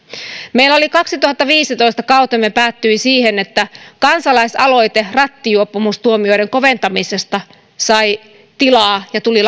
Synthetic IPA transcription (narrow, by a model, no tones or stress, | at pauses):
meilːæo̞likɑksit̪uhɑt̪ːɑʋiːsit̪o̞ist̪ɑkɑut̪emːepæːt̪ːyisiːhenet̪ːækɑnsɑlɑisɑlo̞jt̪erɑt̪ːijuopːumust̪uomio̞jɾeŋko̞ʋent̪ɑmisest̪ɑ | sɑj | t̪ilɑːjɑt̪ulil